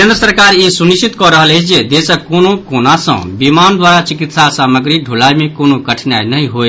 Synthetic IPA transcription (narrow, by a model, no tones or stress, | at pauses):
kend̪ɾəsəɾkaɾisunisit̪kɔɾəɦəlet͡ʃʰd͡ʒed̪esəkonokonasə̰̃bimand̪waɾat͡ʃikit̪sasaməɡɾiɖʱulajmekonokəʈʰnjajnəɦĩɦoj